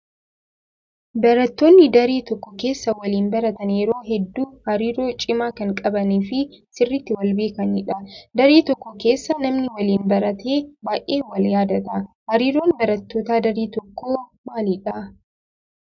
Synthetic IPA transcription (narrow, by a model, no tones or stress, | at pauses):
bɐɾɐt̪ːoːnːɪd̪ɐɾeːt̪ɔkːɔkeːsːɐwɐliːnbɐɾɐt̪ɐnjɛɾo̞ːɦɛd̪ːuːhɐɾiːɾo̞ːt͡ʃʼɪmaːkɐŋkʼɐbɐniːfɪ | sɪrːɪt̪ːɪwɐlbeːkɐnɪᶑɐd̪ɐɾeːt̪ɔkːɔke̞ːsːɐnɐmnɪwɐliːnbɐɾɐt̪ʰeːbaːʔeːwɐljaːd̪ɐt̪ɐhɐɾiːɾo̞ːnbɐɾɐt̪ːoːt̪aːd̪ɐɾeːt̪ɔkːoːmaːlɪᶑɐ